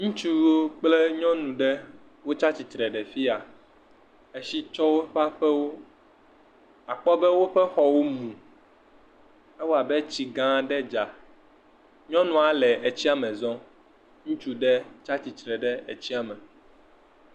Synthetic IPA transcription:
ŋũ˦t͡ʃu˦wo˦k͡ple˦ɲɔ̃˦nũ˨ɖɛ˦ | wo˦t͡ʃa˦t͡ɕi˨t̪ɾɛ˨ɖɛ˨fi˦a˨ | e˦ʃi˦t͡ʃɔ˦wo˦ɸa˦ɸɛ˦wo˦ | a˨k͡pɔ˦bɛ˦wo˦ɸɛ˦xɔ˦wo˦mũ˨ | ɛ˦wo˦a˨bɛ˦t͡ɕi˨ɡã˦ɖɛ˦d͡ʒa˨ | ɲɔ̃˦nũ˨a˨lɛ˨ʔe˨t͡ɕi˦a˦mɛ̃˨zɔ̃˦ | ŋũ˦t͡ʃu˦ɖɛ˦t͡ʃa˦t͡ɕi˨t̪ɾɛ˨ɖɛ˦e˨t͡ɕi˦a˨mɛ̃˨

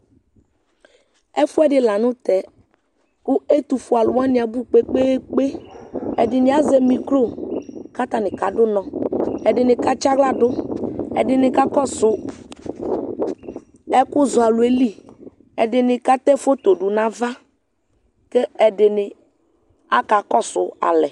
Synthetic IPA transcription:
ɛ˦fu˦ɛ˦ɖɪ˨la˨nʊ̃˦t̪ɛ˨ | kʊ˦e˦t̪u˨fu˨a˨lʊ˨˦a˦nɪ̃˨a˨bu˦k͡pe˦k͡pe˦k͡pe˦ɛ˨dɪ˨nɪ̃˨a˦ze˦mĩ˨klo˦˨ka˦t̪a˨nɪ̃˨ka˨dʊ˦nɔ̃˨ɛ˨dɪ˨nɪ̃˨ka˦t͡ʃa˦ɡla˦dʊ˦ɛ̰˨dɪ˨nɪ̃˨ka˦kɔ˦sʊ˨ | ɛ˦kʊ˦zʊ˨a˨lʊ˨e˦li˦ | ɛ˨dɪ˨nɪ˨ka˦t̪ɛ˦fo˦t̪o˨ɖʊ˨nã˦va˦ | ke˦ɛ˨dɪ˨nɪ˨ | a˦ka˨kɔ˦sʊ˨a̰˨lɛ˨

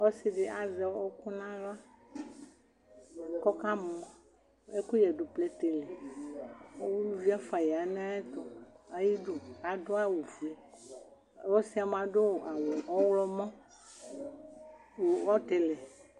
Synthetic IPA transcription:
o˦se˦ɖe˦ʔa˨zɛ˨˦ɔ˦ku˦nã˦la˦ | kɔ˦ka˦mɔ̃˨˦ | e˦ku˦jɛ˨ɖo˨plɛ˦t̪e˨lɛ˨ | o˦wu˦lu˦vi˦a˦fa˨jɛ˨a˨nẽ˦a˦e˦t̪ɔ˨a˦ji˦ɖu˦a˨do˦a˦wu˨vi˨e˨˦ | wo˦si˦a˨m˨ã˨ɖo˦wʔa˨wo˨ɔ˦wlɔ˦mã˦ | wo˨wɔ˦t̪e˨lɛ˨

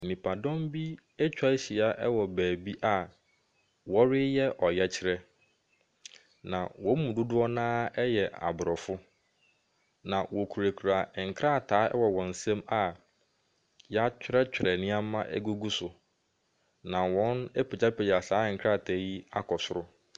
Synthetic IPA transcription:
nĩ˨pʰa˨dɔ̃˦mbi˦ | ɛ˦t͡ɕᶣa˦ɕi˨a˦ʔɛ˦wɔ˨bæː˨bi˦ʔa˨ | wɔ˦ɾɪ˦jɛ˦ʔɔ˨jɛ˦t͡ɕʰɪ˦ɾɛ˦ | nã˨wɔ̃˨˦mũ˨dʊ˦dʊ˦ɔ˦nãː˦ɛ˦jɛ˨a̰˨bʊ˨ɾɔ˨fʊ˦ | nã˨wɔ˨kʰu˨ɾæ˨kʰu˨ɾa˨ŋ̩˨kʰɾa˦˨tʰaː˨˦ɛ̰˦wɔ˨wɔ̃˨n̩˨sɛ̃˦ma˨ | ja˦t͡ɕᶣɪ˦ɾɛ˦t͡ɕᶣɪ˨ɾɛ˨nɪ̃˦a˦mã˦ʔɛ̰˦ɡu˦ɡu˦sʊ˨ | nã˨wɔ̃˦ne˦pʰe˨d͡ʑa˦pʰe˨d͡ʑa˨saː˨˦˨ŋ̩˨kʰɾa˦˨tʰaː˨˦ji˦a˦kʰɔ˨sʊ˦ɾʊ˦

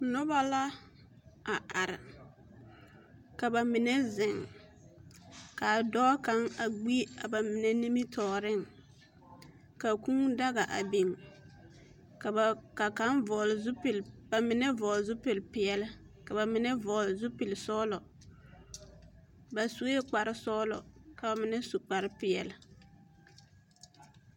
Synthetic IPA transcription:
nʊ˦ba˦la˦ | a˨ʔa˨ɾɪ̰˨ | ka˨ba˨mɪ˨nɛ˦zɪ˨ŋ | ka˨dɔː˦ka˨˦ŋa˨ɡ͡bi˦a˨ba˨mɪ˨nɛ˦ni˦mi˦tʰɔː˨ɾɪ˦ŋ | ka˨ku˦ŋda˦ɣa˨ʔa̰˨be˨ŋ | ka˨ka˨ka˨˦nvɔ˨lzpɪ˨lba˨mɪ˨˦nɛ˦vɔː˨lzʊ˦pɪ˨lpɪ˨ɛ˨lɪ˦ | ka˨ba˨mɪ˨˦nɛ˦vɔː˨lzʊ˦pɪ˨lsɔː˦lɔ˨ | ba˨su˦e˦k͡pa˨ɾɪ˦sɔː˦lɔ̰˨ka˨ba˨mɪ˨nɛ˦su˨k͡pa˨ɾɪ˦pɪ˨ɛ˨lɪ˦

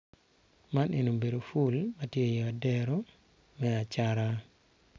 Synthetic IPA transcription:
ma˦nʔe˨no˨be˨do˨fu˦lmatje˦je˨a˨dɛ˦ɾɔ˦ | mɛa˨t͡ʃaɾa˦

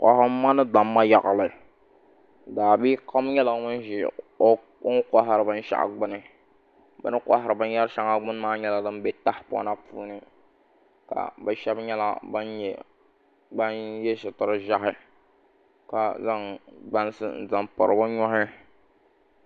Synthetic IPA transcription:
kʷa̰˨ha˦ma˦nɨ˦da˨mːa˦ja˨ɣa˨lɨ˨ | daː˨bi˦kʰa˦m˦ɲɛ˦lɨ˨˦mɨ˦n˦ʒɪ˨˦ | ŋ˦ka˦ɦa˨ɾɨ˨bɨ˦n˦ʃa̰˦ʔɡ͡bʊ˦nɨ˦ | bɨ̰˦nɨ˦kʷa˦ɦa˨ɾɨ˨bɨ˦n˦ja˦ɾʃa˦ŋa˦ɡ͡bʊ˦n˦maː˦ɲɛ˦la˦dɨ˦m˦be˨ta˦hpʊ̰˦na˦puː˦nɨ˦ | ka̰˨ba˨ʃɛ˦bɲɛ˦la̰˦ba˦n˨ | ba˦njɛ˦ʃɪ˨tɨ˨ɾɨ˦ʒa˦ɦɪ˦ | ka˨za˦ŋɡ͡ba˦n˦sɨ̰˦n̩˨za˨mpa̰˨ɾɨ˨bʊ˦ɲɔ˦hɪ˦

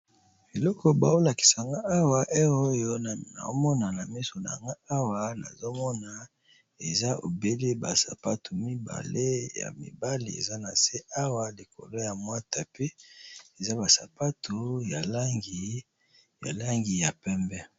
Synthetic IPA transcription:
be˨lɔ˦kɔ˨ba̰˨o˦la˨ki̥˨sa˨ŋɡa˦ʔa˦wa˨ʔe˦o˦jo˦˨na̰˨o˦mɔ˦na˨na˨mi˦so˨na̰˨a̰˨ŋɡa˦a˦wa˨na̰˨zo˦mɔ˦na˨ | e˨za˦o̰˨be˦le˦ba˨sa˨pa˦tʰu˨mi˦ba̰˨le˦ja̰˨mḭ˨ba˦lḭ˨ḛ˨za˦na˨se˦ʔa˦wa˦li˨kʰo̰˨lo˦ja˨mwa˦ta˨pe˦e˨za˦ba˨sa˨pa˦tʰo˨ja˨la˦ŋɡi˨ | ja̰˨la˦ŋɡi˨ja˨pɛ˦mbɛ˦

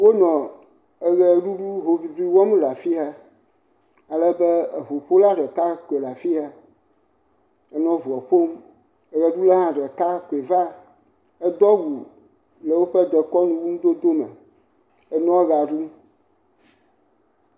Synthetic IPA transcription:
wo˦nɔ̃˨ | e˦ɣɛ˦ɖu˦ɖu˦ɦo˨vi˦bi˦wɔ˦mla˨fi˦ɦa˦ | a˨lɛ˦bɛ˦˨ɦo˨ɸo˦la˦ɖɛ˨ka˦ko˨e˨la˨fi˦ɦa˦ | ɛ˦nɔ̃˦ɦu˨ɔ˨ɸo˦m | ɛ˦ɣɛ˦ɖu˦lɛ˦ɦã˦ɖɛ˨ka˦ko˨e˨va˦ | ɛ˦d̪ɔ˦wu˨ | lɛ˨wo˦ɸɛ˦d̪ɛ˨kɔ˦nũ˦wu˦nũ˦d̪o˦d̪o˦mɛ̰˨ | e˦nɔ̃˦ɣa˨ɖu˦m

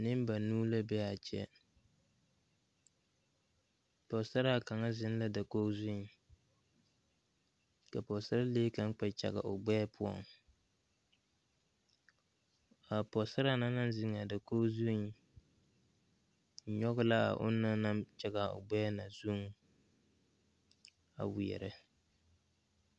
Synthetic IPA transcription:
nɪ˦m˦ba˨nuː˦la˦bɛ˦a˨t͡ʃɛ̰˦ | pɔ˨sa˦ɾa˦˨ka˨ŋa˦zɪ˦n˦la˦da˨ko˦zu˦˨ | ka˨pɔ˨sa˦ɾa˦leː˦ka˦ŋ˦k͡pɛ˨t͡ʃa̰˨ɡa̰˨ʔʊ˨ɡ͡bɛ˦pʰʊ˦ɔ̰˨ŋ | a˨pɔ˨sa˦ɾa˦na˦na˦nzɪ˦ŋa˨da˨koː˦zu˦˨ | ɲɔ˦ɣʊ˦la˦a̰˨ʔʊ̰˦na˦na˦mt͡ʃa˦ɡa˨o̰˨ɡ͡bɛ˦na˨zu˦ŋ˦ | a̰˨wi˨ɛ̰˨ɾɨ˦

